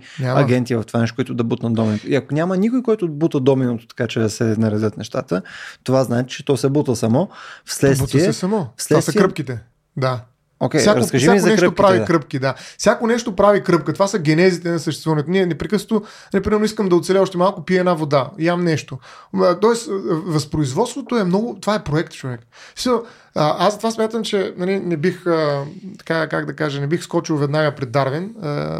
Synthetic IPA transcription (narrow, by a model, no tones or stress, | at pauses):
ɲʲamɐ̰ɡʲɛnt̪ivɐft̪o̥vanɛʃkoit̪ʊd̪ɐbut̪nɐd̪ɔminot̪oiɐkonʲamənikojkɔjt̪ʊbut̪əd̪ɔminot̪ʊ̥t̪ɐ̥kat͡ʃɛd̪ɐsɛnɐɾɛd̪ɤt̪nɛʃt̪at̪ət̪ovaznaɛt̪ɛ̥t͡ʃɛ̥t̪ɔsɛbut̪əsɐmɔfslɛɛt̪sb̪ut̪iiɛsɛsɐmɔfslɛvasɐkɾəp̚k̟it̪ɛ | d̪a | okʲɛsjjaɾɐkəʒiazk̪ɐnɛkɾʃət̪okpɾavikɾɤpk̟id̪afsʲjakonɛʃt̪opɾavikɾɤp̚kət̪ovasəɡʲɛnɛzit̪ɛnɐsɐʃt̪ɛst̪vuvənɛt̪oniɛnɛpɾɛkɤsot̪o | nɐlʲipɾimɛɾnʊiskəmd̪ɐot̪sɛlʲɛɔʃt̪ɛmalˠkopiɛɛnavod̪ajamnɛʃt̪ot̪ɔɛsvɐspɾoizvɔt̪st̪vot̪oɛmnɔɡʊt̪ovaɛpɾoɛkt̪t͡ʃovɛk | si̥sisəlˠ | əʔazɐt̪ovasmʲjat̪əmt͡ʃɛnɐlinɛbixət̪ɐ̥kakaɡd̪ɐkaʒənɛbixskɔt͡ʃilˠvɛd̪naɡəpɾɛd̪ːaɾvinə̰